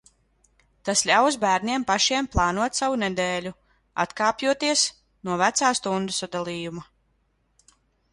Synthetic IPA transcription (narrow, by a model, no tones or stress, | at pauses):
t̪aslʲaws̬bæːɾnʲiɛmpaʃiɛmplˠɑːnuɔt̪savunɛd̪eːlʲu | a̰t̪kaːpjuɔt̪iɛs | nuɔvæt̪saːst̪und̪usɔd̪alˠiːjuma